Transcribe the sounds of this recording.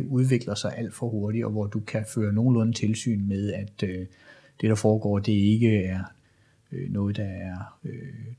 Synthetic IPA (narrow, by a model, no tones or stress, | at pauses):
uð̞ˠʋe̝ɡ̥lɐsɑ̈ɪʔæl̰d̥fɒ̽ho̝ɐɾiɒ̽ʋɒd̥ukʰæføːɐno̝ːn̩lɔ̽nət͡sʰe̝lsy̰ːnmeð̞ˠæd̥ø | d̥e̝ɾ̥ɑ̈fɒːɡ̥ɒ̰ːd̥e̝e̝ɡ̥əæɐ | ønɔ̽ːð̩ˠd̥ɑ̈æɐø